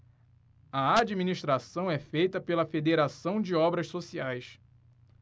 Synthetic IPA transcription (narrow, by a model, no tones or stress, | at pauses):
ɐad͡ʒiminiʃt̪ɾasɐ̃w̃ɛfejt̪ɐpelɐfed̪eɾasɐ̃w̃d͡ʒɪɔbɾɐʃsosiajs